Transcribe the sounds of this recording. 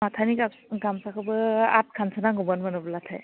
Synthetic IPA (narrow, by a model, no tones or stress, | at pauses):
atʰaniɡa | ɡamsakʰɯbɯa̰t̚kʰansɯnaŋɡɔbɔnmanɔblatʰa̰j